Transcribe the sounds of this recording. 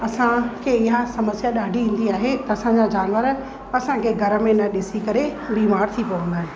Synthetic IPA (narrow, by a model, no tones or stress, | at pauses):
ɐsãkʰeːɪɦasɐməsjaɗaːɖʱiĩːn̆d̪iaːɦet̪ɐɐsãɲd͡ʑad͡ʑaːnʋəɾ | ɐsãkʰeːɡʱɐɾə̆mẽnɐɗɪsikɐɾebiːmaːɾt̪ʰipoʋɐ̃nd̪aːɦɪ̃